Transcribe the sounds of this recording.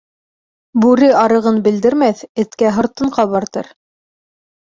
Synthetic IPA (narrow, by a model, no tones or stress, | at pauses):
bʉɾɘɑɾɤ̆ʁɤnbɘ̆ld̪ɘ̆ɾmæθɘ̆t̪kæɦŏɾt̪ɤ̆ɴqɑbɑɾt̪ɤ̰ɾ